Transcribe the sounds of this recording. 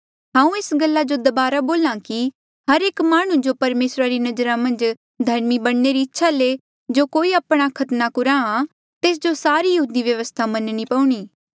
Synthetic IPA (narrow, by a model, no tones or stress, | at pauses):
ɦãːũeːsɡəlːad͡ʒod̪ɐbaːɾaboːlãki | ɦɐɾeːkmaːɽ̃ũd͡ʒopɐɾmeːsɾaɾinɐd͡ʒɾãmɐ̃nd͡ʒ | d̪ʱɐɾmibɐɽneɾiɪtːʃʰale | d͡ʒoːkoːiapɽ̃akʰɐt̪nakʊɾãã | t̪eːs̬d͡ʒosaːɾijɐɦuːd̪iʋjɐʋəst̪ʰamɐnnipɐũɽ̃iː